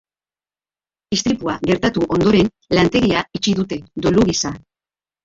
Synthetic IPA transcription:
ist̪ɾipuaɣe̞ɾt̪at̪uʔo̞nd̪o̞ɾe̞n | lant̪e̞ɣiait͡ʃiðut̪e̞d̪oluɣisa

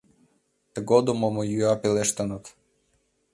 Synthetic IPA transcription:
t̪əɡod̪umomojyɑpeleʃt̪ənət̪

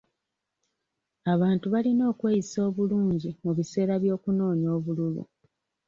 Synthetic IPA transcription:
aβaːntuβalino̞ːkwe̞ːiso̞ːβuluːɲɟimuβise̞ːɾaβjo̞ːkuno̞ːɲo̞ːβululṵ

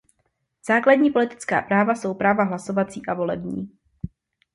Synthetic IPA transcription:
z̥aːkladɲiːpo̞lɪt̪ɪ̥t͡ska̰ːpɾaːvaso̞wpɾaːvaɦlaso̞vat͡siːʔavo̞lɛ̰bɲḭː

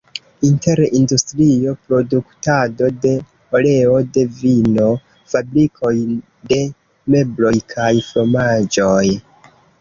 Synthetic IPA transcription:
inte̞ɾindustɾio̞pɾo̞duktado̞de̞ | ole̞o̞de̞vino̞ | fabɾikʰo̞j | de̞ | me̞blo̞jkʰajflo̞mad͡ʒo̞j

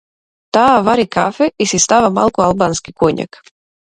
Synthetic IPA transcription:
t̪aːvaɾikafɛisist̪avama̰lˠkoalˠbanskikoɲa̰k

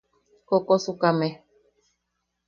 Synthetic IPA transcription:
kokosukamẽ

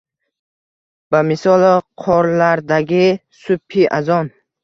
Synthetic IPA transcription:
bamɪsɒlˠqʰɒɾlaɾd̪aɡʲisʊpʰːiʔazɒn

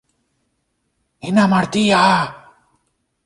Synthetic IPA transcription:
inamaɾt̪ija

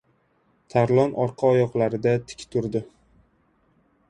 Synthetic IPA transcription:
t̪ʰaɾlˠɒnʔɒɾqʰɑɒjɒqlˠaɾɪd̪at̪ʰɪ̥kʲt̪ʰʊɾd̪ɪ

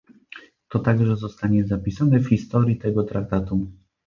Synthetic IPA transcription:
t̪ɔt̪aɡʐɛzɔst̪aɲɛzapʲisanɛfxʲist̪ɔɾʲjit̪ɛɡɔt̪ɾak̚t̪at̪u

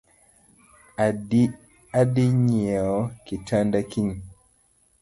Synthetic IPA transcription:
adiɲeɔkitʰandakiɲ

